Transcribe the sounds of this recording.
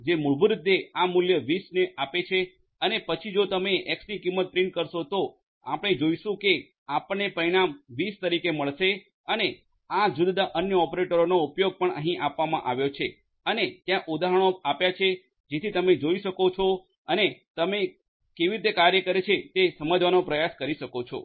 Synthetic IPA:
d͡ʒemuɭbʱuɾɪd̪ʱːeamuljəʋisneʔapet͡ʃʰe | ənepət͡ʃʰid͡ʒot̪əmeʔɛksnikimːət̪̚pɾiɳʈkəɾʃot̪o | apɽ̃ed͡ʒoiʃũke | apɳepəɾiɽ̃amʋist̪əɾikeməɭʃe | əne | ad͡ʒʊd̪d̪aʔənjəɔpɾeʈəɾonoupjoɡ̚pəɳəɦĩʔapʋamã̰ʔaʋjot͡ʃʰe | ənet̪jãʔud̪aɦəɳ̃oapjat͡ʃʰe | d͡ʒet̪ʰit̪əmed͡ʒoiʃəkot͡ʃʰo | ənet̪əme | keʋiɾit̪̬ekaɾjəkəɾet͡ʃʰet̪esəməd͡ʒʋanopɾəjaskəɾiʃəkot͡ʃʰo̰

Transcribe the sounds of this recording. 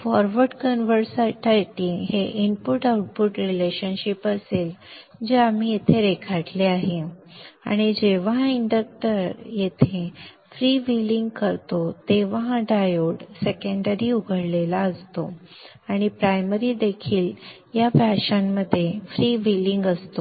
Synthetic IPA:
fɔɾʋəɾɖkənʋəɾsaʈajiʈiɦeʔinpuʈauʈ̚puʈɾileɕənɕipəsel | d͡ʑeam̤ijet̪ʰeɾekʰaʈleaɦea̰ɽ̃id͡ʑeʋiɳɖək̚ʈəɾjet̪ʰe | fɾiʋiliŋɡkəɾt̪ot̪eʋɦãɖajoɽsekəɳɖəɾiuɡʱəɽlelaəst̪o | aɽ̃ipɾajməɾiːd̪ekʰiːl | jabʱjaɕamːəd̪ʱːjefɾiʋiliŋɡəst̪o

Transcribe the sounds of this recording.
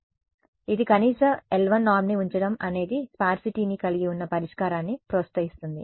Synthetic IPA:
id̪ikɐniːsɐmelʋɐnːaːɾmniuɲt͡ʃɐɽɐmɐne̞ːd̪ispaːɾsiʈiːnikɐliɡiunːɐpɐɾiʂkaːɾaːnːipɾost̪ɐjist̪und̪ḭ

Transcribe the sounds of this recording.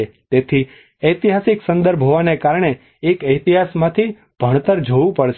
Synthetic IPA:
et̪et̪ʰi | əjt̪iɦasiksə̃nd̪əɾbʱɦoʋanekaɾɳ̃e | ekəjt̪iɦasmãt̪ʰi | b̥ʱəɳ̃t̪əɾd͡ʒʱoʋũpəɽʃ

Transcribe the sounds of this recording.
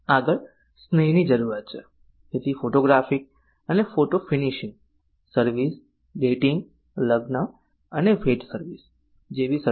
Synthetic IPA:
aɡəɭ | snəjnid͡ʒəɾuɾat̪̚t͡ʃʰḛ | d͡ʒet̪ʰifoʈoɡɾafik̚ | ənefoʈofiniʃĩŋɡ | səɾʋis | ɖeʈiŋɡ | ləɡnə | ənefeʈsəɾʋis | d͡ʒeʋisə

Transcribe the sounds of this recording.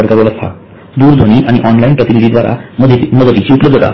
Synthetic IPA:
əɾkaɾələst̪ʰa̰ | d̪uːɾd̪ʱoɽ̃iʔaɽ̃iʔɔnlainpɾət̪inid̪ʱid̪ʋaɾa̰əməd̪ət̪it͡ɕiupləb̪d̪ːət̪a̰

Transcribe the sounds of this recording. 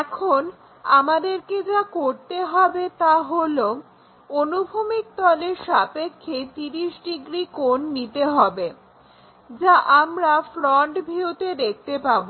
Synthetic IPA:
ɛkʰon | amad̪eɾked͡ʑakoɾt̪eɦɔbet̪aɦolo | onubʱumik̚t̪ɔleɾʃapekʰːet̪iɾiʃɖiɡɾikonːit̪eɦɔbe | d͡ʑaʔamɾafɾɔɳʈbʱiut̪ed̪ek̚ʰt̪epabo

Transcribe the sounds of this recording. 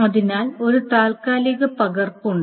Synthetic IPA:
ɐðinaːlo̞ɾut̪aːlkaːliɣɐpɐɣɐrpuɳɖɨ

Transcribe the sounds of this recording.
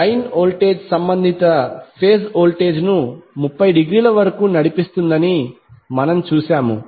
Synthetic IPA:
ɐjnoːlʈe̞ːd͡ʒsɐmbɐnd̪ʱit̪ɐpʰeːs̬oːlʈe̞ːd͡ʒnumupːɐjɖiɡɾiːlɐʋɐɾɐkuːnɐɽipist̪und̪ɐni | mɐnɐmt͡ʃuːsaːmṵ

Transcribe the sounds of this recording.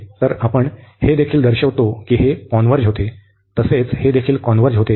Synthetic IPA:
t̪əɾapəɳhed̪ekʰiːld̪əɾɕəʋt̪okiːɦekɔnʋəɾd͡ʑɦot̪e | t̪əset͡shed̪ekʰiːlkɔnʋəɾd͡ʑɦot̪e

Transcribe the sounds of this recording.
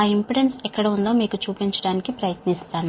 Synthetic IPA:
aːimpiɽensɛkːɐɽeund̪o̞ːmiːkut͡ʃuːpiɲt͡ʃɐɽaːnikipɾɐjɐt̪nist̪aːnu

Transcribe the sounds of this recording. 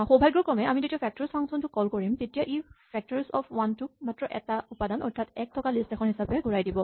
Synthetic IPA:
xobʱajɡɹukɹɔmɛamidetiapʰɛk̚tɔɹspʰaŋsɔntʊkɔlkoɹimtetijaʔipʰɛk̚tɔɹsɔpʰwantumatɹɔʔɛtaupadanɔɹtʰatɛk̚tʰɔkalistɛkʰɔnhisapɛɡuɹajdibɔ

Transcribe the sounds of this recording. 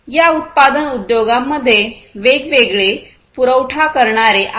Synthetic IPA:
jaut̪̚pad̪ənud̪joɡamːəd̪ʱːjeʋeɡʋeɡɭe | puɾəwʈʰakəɾɳaɾeʔa

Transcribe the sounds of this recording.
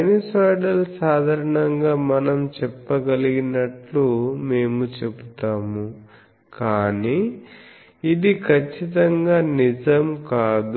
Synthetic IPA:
enisaːɖɐlsaːd̪ʱaːɾɐɳɐŋɡaːmɐnɐmt͡ʃɛpːɐɡɐliɡinɐʈlume̞ːmut͡ʃebut̪aːmu | kaːniː | id̪ikʰɐt͡ʃːit̪ɐŋɡaːnid͡ʒɐmkaːd̪

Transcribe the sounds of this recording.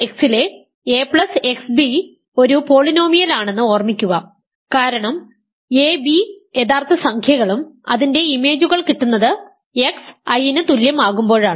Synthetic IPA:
eksile | epɭɐse̞ksbi | o̞ɾupo̞ːɭino̞ːmijɐlaːɳe̞nːɨo̞ːrmikʲːuɣɐ | kaːɾɐɳɐm | eːbiet̪aːrt̪ʰɐsɐŋkʰjɐɣɐɭumɐ̰ðinde̞ime̞ːd͡ʑuɣɐɭkiʈːunːɐðɨ | e̞ksɐjinɨt̪uljɐmaːɣumbo̞ːɻaːɳɨ

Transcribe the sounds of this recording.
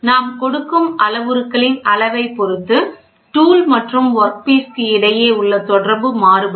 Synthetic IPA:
naːmkɔɽɯkːɯmɐlɐʋɯɾɯkːɐɭɪnɐlɐʋɐɪpːɔɾɯt̪ːɯ | ʈuːlmɐʈrɯmʋɔɾk̚piːskɯɪɽɐjeːʊɭːɐt̪ɔɽɐɾbɯmaːɾɯbɐ

